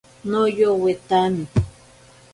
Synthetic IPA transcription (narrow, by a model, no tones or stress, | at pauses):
nojowet̪anɪ